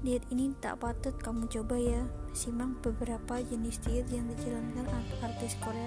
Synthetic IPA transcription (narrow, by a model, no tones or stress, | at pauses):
diat̪init̪a̰ʔpat̪ʊt̪̚kamut͡ʃobajamsimaŋbəbəɾapad͡ʒənist̪iət̪jaŋdid͡ʒalankanaart̪iskoɾea